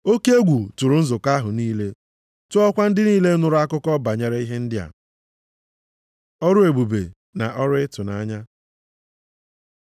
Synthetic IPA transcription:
o˦ke˦e˦ɡʷu˨tu˨ɾʊ˨n̩˦zʊ˨ka˦ɦʊ˨niː˦le˦ | tʊ˦ɔ˦kʷa˦n̩˦dɪ˦niː˦le˦nʊ˦ɾʊ˦a˦kʊ˦kɔ˦ba˨ɲe˨ɾe˦i˦ɦe˦n̩˦dɪ˦a̰˨ | ɔ˦ɾʊ˦e˨ɡ͡bu˨bḛ˨ | na̰˨ʔɔ˦ɾʊ˦ɪ˦tʊ˨na˨˦ɲa˦

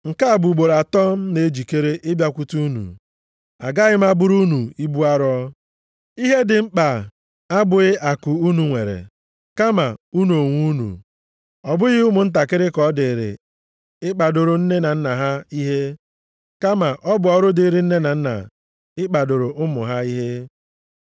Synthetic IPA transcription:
ŋ̩˨ka˦a˨bu˨ɡ͡bo˨ɾa˨tɔ˦m̩˦ne˨˦d͡ʒi˨ke˦ɾe˦ʔɪ˦bja˦kʷu˦tu˦u˦nṵ˨ | a̰˨ɡa˦ɣɪ˦m̩˦a˦bʊ˦ɾu˦nu˨i˦bu˦a˦ɾɔ˦ | i˦ɦe˦dɪ˨m̩˦k͡pa˨ | a˦bʊ˨ɪ˦ʔa˨kʊ˨u˦nu˨ŋʷe˨ɾḛ˨ | ka˦ma˨u˦n˨o˨ŋʷu˦nṵ˨ | ɔ˨bʊ˦ɣɪ˦ʊ˦mʊ˨n̩˦t̬a˨kɪ˦ɾɪ˦kɔ˦dɪ˨ɾɪ̰˨ | ɪ˦k͡pa˨do˨ɾʊ˨n̩˦ne˦na˨n̩˦na˨ɦa˦i˦ɦe˦ | ka˦ma˨ʔɔ˦bʊ˨ɔ˦ɾʊ˦dɪ˨˦ɾɪ˨n̩˦ne˦na˨n̩˦na̰˨ | ɪ˦k͡pa˨do˨ɾʊ˨ʔʊ˦mʊ̰˨ɦa˦i˦ɦe˦

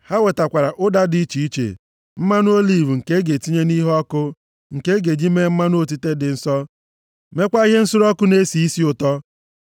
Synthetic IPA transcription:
ha˦we˨ta˨kʷa˨ɾa˨ʔʊ˦da˦di˦t͡ʃi˨i˦t͡ʃḛ˨ | m̩˦ma˦nʊ˦o˦li˨vu˨ŋ̩˨ke˦ɡe˨ti˦ɲe˦ni˦ɦɔ˦kʊ˦ | ŋ̩˨ke˦ɡe˨d͡ʒi˦me˦m̩˦ma˦nʊ˦o˨ti˦te˦dɪ˨n̩˦sɔ˦ | me˦kʷa˦i˦ɦe˦n̩˦sʊ˦ɾɔ˦kʊ˦ne˦si˨i˦si˦ʊ˨tɔ˦

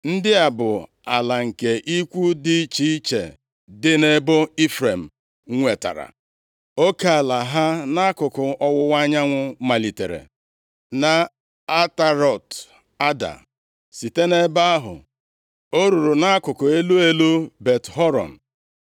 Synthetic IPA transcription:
n̩˦dɪ˦a˨bʊ˨ | a˨la˨ŋ̩˨ke˨ʔi˦kʷu˦dɪ˦t͡ʃi˦i˦t͡ʃḛ˨ | dɪ˦ne˦bo˦i˦fɾe˨m̩˨˦ | ŋʷe˨ta̰˨ɾa̰˨ | o˦ka˨a˨la˨ɦa˦na˦a˦kʊ˨kʊ˨ʔɔ˦wʊ˦wa˦ɲa˦ŋʷʊ˦ma˨li˨tḛ˨ɾḛ˨ | na˨ | a˦ta˨ɾɔ˨t | a˦da̰˨ | si˨te˦ne˦ba˦a˦ɦʊ̰˨ | o˦ɾu˨ɾu˨na˦a˦kʊ˨kʊ˨e˦lu˦e˦lu˦be˨tɦɔ˦ɾɔ̰˨n̩˨

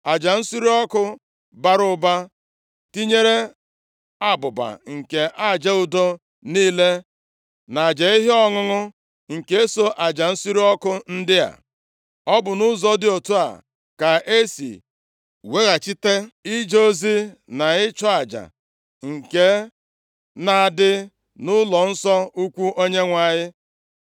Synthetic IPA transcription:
a˨d͡ʒa˨n̩˦su˦ɾi˦ɔ˦kʊ˦ | ba˦ɾʊ˦ba˦ | ti˦ɲe˦ɾe˦ | a˦bʊ˨ba̰˨ŋ̩˨ke˨ʔa˦˨d͡ʒe˦ʊ˦do˦ | niː˦le˦ | na˨d͡ʒe˨i˦ɦi˦ɔ˦ŋʊ˦ŋʊ˦ | ŋ̩˨ke˦e˦so˦ʔa˨d͡ʒa˨n̩˦su˦ɾi˦ɔ˦kʊ˦n̩˦dɪ˦a̰˨ | ɔ˦bʊ˨nʊ˦zɔ˦dɪ˦o˨tu˦a̰˨ | ka˨e˦sḭ˨ | we˦ɣa˨t͡ʃi˦te˦i˦d͡ʒo˦zi˦na˨ɪ˦t͡ʃɔ˦a˨d͡ʒa̰˨ | ŋ̩˨ke˦ | na˨dɪ˦ | nʊ˦lɔ˨n̩˦sɔ˦u˦kʷu˦ʔo˦ɲe˦ŋʷa˨ɲɪ˦

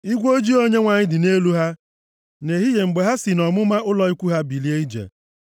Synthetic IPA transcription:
i˦ɡʷo˦d͡ʒi˦o˦ɲe˦ŋʷa˨ɲɪ˦dɪ˨ne˦lu˦ɦa˦ | ne˨ɦi˦je˨ŋ͡m̩˨ɡ͡be˨ɦa˦si˨nɔ˨mʊ˦ma˦ʊ˦lɔ˨i˦kʷu˦ɦa˦bi˨li˦e˦i˦d͡ʒḛ˨

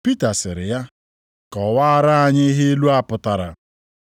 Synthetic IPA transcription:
pi˦ta˨sɪ˨ɾɪ˨ja˦ | kɔ˨wa˦a˦ɾa˦a˨ɲɪ˦ɦe˦e˦lu˦a˦pʊ˨ta˨ɾa̰˨

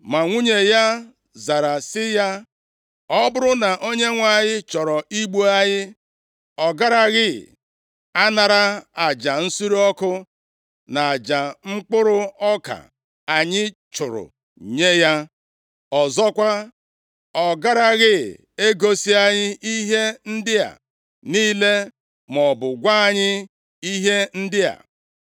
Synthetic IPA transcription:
ma˨ŋʷu˦ɲe˨ja˦ | za˨ɾa˨sɪ˦ja˦ | ɔ˦bʊ˦ɾʊ˦na˨ʔo˦ɲe˦ŋʷa˨ɲɪ˦t͡ʃɔ˨ɾɔ˨i˦ɡ͡bu˦a˦ɲɪ˦ | ɔ˨ɡa˦ɾa˦ɣɪ˦ | a˦na˨ɾa˦a˨d͡ʒa˨n̩˦su˦ɾi˦ɔ˦kʊ˦ | na˨a˨d͡ʒa˨ŋ͡m̩˦k͡pʊ˦ɾʊ˦ɔ˦ka̰˨ | a˨ɲɪ˦t͡ʃʊ˨ɾʊ̰˨ | ɲe˦ja˦ | ɔ˨zɔ˦kʷa˦ | ɔ˨ɡa˦ɾa˦ɣɪ˦˨ | e˦ɡo˦si˦a˦ɲɪ˦i˦ɦe˦n̩˦dɪ˦a̰˨ | niː˦le˦ | mɔ˨bʊ˨ɡʷa˦a˨ɲɪ˦ | i˦ɦe˦n̩˦dɪ˦a̰˨

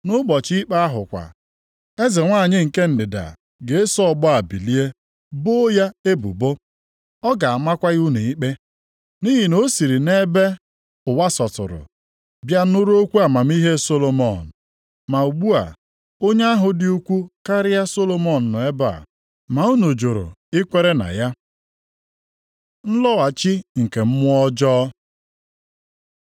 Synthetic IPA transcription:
nʊ˦ɡ͡bɔ˨t͡ʃi˦k͡pa˦a˦ɦʊ˨kʷa̰˨ | e˦ze˨ŋʷa˦˨ɲɪ˦ŋ̩˨ke˦n̩˨dɪ˨da̰˨ | ɡe˨˦sɔ˦˨bɔ˦a˨bḭ˨li˦e˦ | bo˦ja˦e˦bṵ˨bo˦ | ɔ˦ɡa˨a˨ma˦kʷa˦ɣu˦nu˨i˦k͡pe˦ | ni˦ɦi˨no˦si˨ɾi˨ne˦be˦ | ʊ˨wa˦sɔ˨tʊ̰˨ɾʊ̰˨ | bja˦nʊ˦ɾo˦kʷu˦a˨ma˨m̩˦i˦ɦe˦so˦lo˨mɔ˨n̩˨ | ma˨u˨ɡ͡bu˦a̰˨ | o˦ɲe˦a˦ɦʊ˨dɪ˦u˦kʷu˦ka˦ɾɪ˦ja˦so˦lo˦mɔ˨n̩˨nʊ˨e˦ba̰˨ | ma˨u˦no˨d͡ʒo˨ɾo̰˨ɪ˦kʷe˦ɾe˦na̰˨ja˦ | n̩˦lɔ˦wa˨t͡ʃi˦ŋ̩˨ke˨m̩˦mʊ˦ɔ˦d͡ʒɔː˦

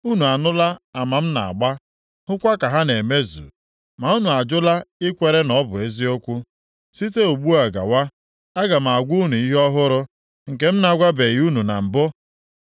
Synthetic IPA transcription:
u˦nu˨a˨nʊ˦la˦a˨ma˨m̩˦na̰˨a̰˨ɡ͡ba˦ | hʊ˦kʷa˦ka˨ɦa˦ne˨me˦zṵ˨ | ma˨u˦nu˨a˨d͡ʒʊ˦la˦ɪ˦kʷe˨ɾe˦nɔ˨˦bʊ˨e˦zi˦o˦kʷʊ˦ | si˦te˦o˨ɡ͡bu˦a˨ɡa̰˨wa˦ | a˦ɡa˨m̩˨a˨ɡʷu˦nu˨i˦ɦɔ˦ɦʊ˦ɾʊ˦ | ŋ̩˨ke˦m̩˦na˨ɡʷa˦be˨ɣu˦nu˨na̰˨m̩˨bʊ˦

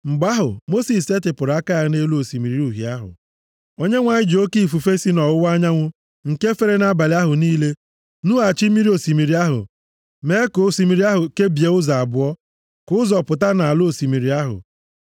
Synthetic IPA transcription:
ŋ͡m̩˨ɡ͡ba˦ɦʊ̰˨mo˦si˨se˦tɪ˨pʊ˨ɾa˦ka˦a˦ne˦lu˦o˨si˨mi˨ɾi˦u˨ɦi˨a˦ɦʊ̰˨ | o˦ɲe˦ŋʷa˨ɲɪ˦d͡ʒo˦ki˦˨fu˨fe˦si˦nɔ˨wʊ˦wa˦ɲa˦ŋʷʊ˦ | ŋ̩˨ke˦fe˦ɾe˦na˦ba˨lɪ˦a˦ɦʊ˨niː˦le˦ | nu˦a˨t͡ʃi˦mi˦ɾi˦o˨si˨mi˨ɾi˨˦a˦ɦʊ̰˨ | me˨˦ko˨˦si˨mi˨ɾi˦a˦ɦʊ˨ke˦bje˨˦ʊ˦za˨bʊ˨ɔ˦ | kʊ˦ʊ˦zɔ˨pʊ˨ta˦na˨lo˨si˨mi˨ɾi˨˦a˦ɦʊ̰˨

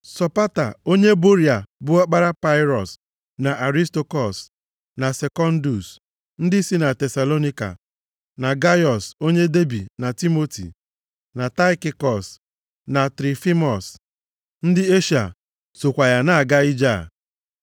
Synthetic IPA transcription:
sɔ˨pa˦ta̰˨o˦ɲe˦bo˦ɾi˨a˨bʊ˦a˦k͡pa˦ɾa˦pa˦ɪ˦ɾɔ˨s | na˨ʔa˨ɾi˦sto˨kɔ˨s | na˨se˨kɔ˦n̩˦du˨s | n̩˦dɪ˦si˦na˨tɛ˨sa˨lo˦ni˦ka̰˨ | na˨ɡa˦jɔ˨so˦ɲe˦de˦bi˨na˨ti˦mo˦tḭ˨ | na˨ta˦ɪ˦ki˦kɔ˨s | na˨tɾi˨fi˦mɔ˨s | n̩˦dɪ˦e˦ʃa̰˨ | so˨kʷa˨ja˨na˦a˨ɡa˦ɪ˦d͡ʒa˦˨

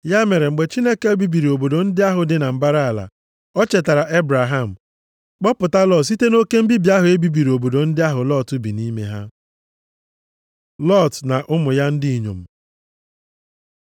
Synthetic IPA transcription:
ja˦me˨ɾe˨ŋ͡m̩˨ɡ͡be˨t͡ʃi˦ne˦ke˦e˦bi˦bi˨ɾi˨o˨bo˨do˨n̩˦dɪ˦a˦ɦʊ˨dɪ˦na˨m̩˨ba˦ɾa˦a˨la̰˨ | ɔ˦t͡ʃe˨ta˨ɾa˨ʔe˦bɾa˨ɦa˦˨m̩˨ | k͡pɔ˦pʊ˨ta˦lɔ˦˨s̬i˦te˦no˦ke˦m̩˦bi˦bi˨˦a˦ɦʊ˨e˦bi˦bi˨ɾi˨o˨bo˨do˨n̩˦dɪ˦a˦ɦʊ˨lɔ˦˨tʊ˦bi˨ni˦me˦ɦa˦ | lɔ˦˨tna˨ʔʊ˦mʊ˨ja˦n̩˦dɪ˦i˨ɲo̰˨m̩˨

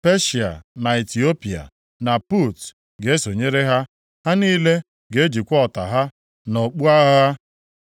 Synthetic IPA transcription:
pe˦ʃi˨a̰˨na˨i˨ti˨o˦pi˨a̰˨ | na˨pu˦˨t | ɡe˨˦e˦so˨ɲe˦ɾe˦ɦa˦ | ha˦niː˦le˦ | ɡe˨˦e˦d͡ʒi˨kʷɔ˦˨ta̰˨ɦa˦ | no˨k͡pu˦a˦ɦa˦

